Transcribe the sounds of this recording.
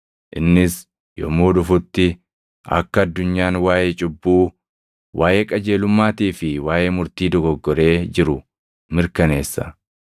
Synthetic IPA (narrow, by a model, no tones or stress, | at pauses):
ʔɪnːɪs | jɔ̰moːᶑʊfʊt̪ːɪ | ɐ̰kːɐɐd̪ːʊɲːaːnwaːjeːt͡ʃʼʊbːuː | wʔaːjeːkʼɐd͡ʒe̞ːlʊmːaːt̪iːfɪwaːje̞ːmʊɾt̪iːd̪ɔɡɔɡːɔɾe̞ːd͡ʒɪɾʊ | mɪɾkɐne̞ːsːɐ